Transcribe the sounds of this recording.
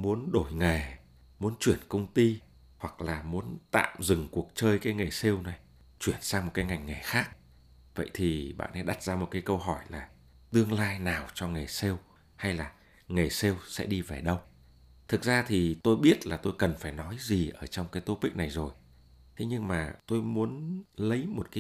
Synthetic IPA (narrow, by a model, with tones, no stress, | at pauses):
mu˨˦ənɗo˧˩jŋa˨˩j | mu˨˦ənt͡ɕwi˧˩ənkə˧wŋ͡mt̪i˧ | hwa˨˩k̚laː˨˩mu˨˦ənt̪a̰ː˧˨mzɨ˨˩ŋku˨˩ək̚t͡ɕəː˧jkaː˨˦jŋe˨˩jse˧wna˨˩j | t͡ɕwi˧˩ənsaː˧ŋm˨˩t̚kaː˨˦jŋa˨˩jŋ̟ŋa˨˩jxaː˦˥k̚ | və̰˧˨jt̪ʰi˨˩ɓa̰ː˧˨nʔɛ˨˧˦ɗa˨˩t̚zaː˧mo˨˩t̚kaː˨˦jkə˧wɦɔ˧˩jlaː˨˩ | t̪ɨ˧əŋlaː˧jnaː˨˩wt͡ɕɔ˧ŋe˨˩jse˧w | ha˧jlaː˨˩ | ŋe˨˩se˧wsɛ̰˧˥ɗi˧ve˨˩ɗə˧w | t̪ʰɨ˨˩k̚zaː˧t̪ʰi˨˩t̪o˧jɓi˦˥ət̚laː˨˩t̪o˧jkə˨˩nfaː˧˩jnɔ˨˦jzi˨˩ʔəː˧˩t͡ɕɔ˧wŋ͡mkaː˨˦jt̪o˨˦pï˦˥k̟̚na˨˩jzo˨˩j | t̪ʰe˨˦ɲɨ˧ŋmaː˨˩t̪o˧jmu˨˦ənlə˨˦jmo˨˩t̚kaː˨˦